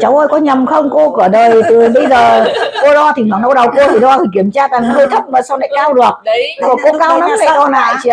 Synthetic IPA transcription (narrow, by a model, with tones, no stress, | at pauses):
t͡ɕa˨˦wʔəː˧jkɔ˨˦ɲə˨˩mxə˧wŋ͡mko˧kɨ˧˩əɗəː˨˩jt̪ɨ˨˩ɓə˧jzəː˨˩ko˧lɔ˧t̪ʰi˨˩hwaː˨˩ŋnɗə˧˦wɗə˨˩wko˧ət̪ʰi˨˩ɗɔ˧t̪ʰi˨˩ki˧˩əmt͡ɕaː˧t̪a˨˩ŋhəː˧jt̪ʰə˦˥p̚maː˨˩sa˧wna̰˧˨˦kaː˧wɗɨ˨˩ək̚kɔ˨˩ko˧kaː˧˦˧wna˨˦fa˧˩˥kɔ˧la̰ː˧˨jt͡ɕḭ˧˨